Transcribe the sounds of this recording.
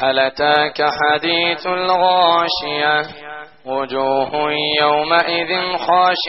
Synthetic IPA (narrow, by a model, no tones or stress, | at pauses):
ʔalat̪aːkaħad̪iːθalɣaaːʃɪja | wʊd͡ʒuːhʊjawmaʔɪðɪnxaːʃɪ